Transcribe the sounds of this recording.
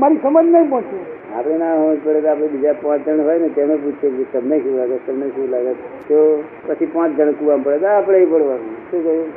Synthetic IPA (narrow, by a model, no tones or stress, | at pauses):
maɾisəməd͡ʒnəĩpɔ̃t͡ʃu | a̰pɽenaɦod͡ʒpəɽet̪aapɽ̃ebid͡ʒapãt͡ʃd͡ʒ̪ʱəɳɦojnet̪emnep̬ut͡ʃʰekd͡ʒet̪əmneʃulaɡet̪əmneʃulaɡet̪t̪o | pət͡ʃʰipãt͡ʃd͡ʒ̪əɳkuʋampəɽet̪aːpɽeipəɽʋanũʃukə